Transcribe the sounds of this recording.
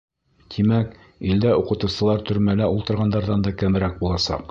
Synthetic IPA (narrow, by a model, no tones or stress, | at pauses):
t̪ʰimæk | ild̪æuqɤ̆t̪ɤ̆wsɤ̆lˠɑɾt̪ɵ̆ɾmælæulˠt̪ɤ̆ɾʁɑnd̪ɑɾðɑnd̪ɑkæmɾæk̚bulˠɑsɑ̰q